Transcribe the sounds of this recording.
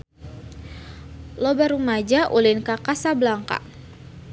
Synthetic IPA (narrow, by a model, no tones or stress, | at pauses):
lobaɾumad͡ʒaʔulinkakasabəlaŋka̰